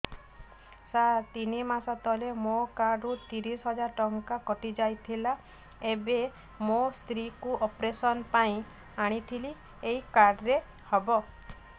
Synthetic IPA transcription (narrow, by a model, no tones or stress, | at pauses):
sat̪inimasat̪ɔlemokaɾɖut̪iɾisɦɔd͡ʒaɾʈɔŋkakɔʈid͡ʒajt̪ʰila | ebe | most̪ɾikuʔɔpɾesɔnpaĩ | aɽ̃it̪ʰili | eikaɾɖɾe | hɔbɔ